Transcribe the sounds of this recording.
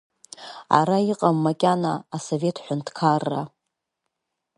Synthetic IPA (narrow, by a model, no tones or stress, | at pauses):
a̰ɾaiqʼamːakʲʼanaːso̞ve̞tʰħʷʊntʰkʰarːa